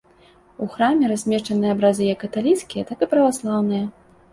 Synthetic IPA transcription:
uxɾamʲɛɾasʲmʲɛʂt͡ʂɐnɨjɐabɾazʲɨjɐkːɐt̪alʲit̪skʲijɐt̪akɨpɾɐvaslˠawnɨjɐ

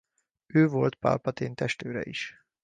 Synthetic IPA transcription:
øːvo̞lt̪pa̰ːlpɒt̪eːnt̪ɛʃt̪øːɾɛ̰iʃ

